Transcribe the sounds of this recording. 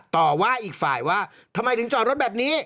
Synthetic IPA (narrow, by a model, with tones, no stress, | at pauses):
t̪ɔː˨˩waː˥˩ʔiː˨˩k̚faː˨˩jwaː˥˩ | t̪ʰa˧mːa˧jt̪ɯ˩˦ŋt͡ɕɔː˨˩t̪ɾo˦˥t̪̚bɛː˨˩p̚niː˦˥